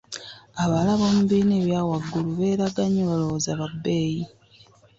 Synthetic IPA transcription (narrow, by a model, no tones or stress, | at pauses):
aβalaβo̞ːmuβiːneβjaːwaɡːuluβe̞ːɾaɡaɲeβalowozaβabːe̞ːji